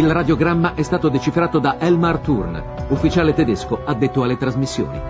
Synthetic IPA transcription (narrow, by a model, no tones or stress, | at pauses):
ilrad̪joɡɾamːaʔɛst̪aːt̪od̪et͡ʃifɾaːt̪od̪aʔɛlmart̪urn | ufːit͡ʃaːlet̪ɛd̪eskoad̪ːet̪ːoalːet̪ɾazmisːjo̰ːnḭ